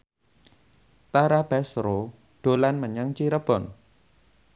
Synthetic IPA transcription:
t̪aɾab̥asɾo | ɖ̥o̤lanməɲəŋt͡ʃiɾəb̥ɔn

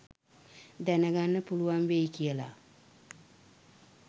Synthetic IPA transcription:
d̪ɛnəɡanːəpuluʋanʋejkijəla̰

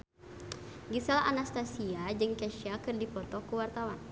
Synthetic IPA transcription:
ɡisalanast̪asiad͡ʒɨŋkɛʃiakɨrdipɔt̪ɔkuwart̪awan

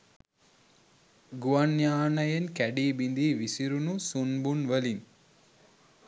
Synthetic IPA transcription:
ɡuʋanjaːnɐjenkæɖiːbind̪iːʋisiɾunusunbunʋəlin

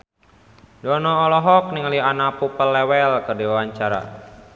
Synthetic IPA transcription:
dɔnɔːlɔɦɔk̚niŋəlianapupəlːɛwɛlkərdiwewaɲt͡ʃaɾa̰

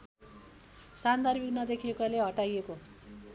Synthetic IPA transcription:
sand̪armiknʌd̪ekʰiekaleɦʌʈajeko

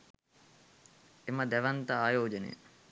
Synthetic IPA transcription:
eməd̪æʋɐnt̪ɐaːjoːd͡ʒenḛ

